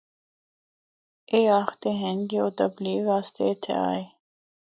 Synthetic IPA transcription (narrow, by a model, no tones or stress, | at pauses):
eːaːxt̪eɦɛ̃nɡeot̪ɐbliːʋaːst̪eːt̪ʰḛa̰ːe